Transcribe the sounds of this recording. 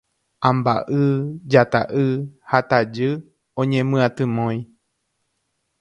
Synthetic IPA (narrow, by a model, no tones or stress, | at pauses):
ãmba̰ʔɨd͡ʒat̪a̰ʔɨhat̪ad͡ʒɨ | õɲẽmɨ̃ãt̪ɨ̃mõj̃